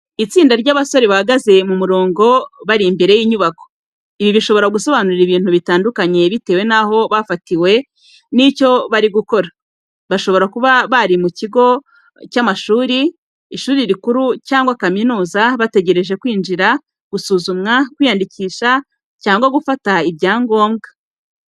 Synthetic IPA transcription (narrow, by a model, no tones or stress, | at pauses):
it͡siːndaɾɟaːβaso̞ɾeβahaɡaze̞mumuɾo̞ːŋɡo̞βaɾimbe̞ɾe̞jiːɲuβako̞̥ | iβiβiʃo̞βo̞ɾaɡuso̞βanuɾiβiːn̥huβitaːndukaɲe̞βite̞ːwe̞naho̞βafatiwe̞ | nico̞βaɾiɡuko̞ɾa | βaʃo̞βo̞ɾakuβaβaɾimuciɡo̞ | camaʃuːɾi | iʃuːɾiɾikuɾucaːŋɡwakaminuːzaβate̞ɟe̞ɾe̞ʒe̞kwiːnd͡ʒiɾa | ɡ̥usuːzumŋakwiːjandiciːʃa | caːŋɡwaɡufataibɟaːŋɡo̞ːmɡa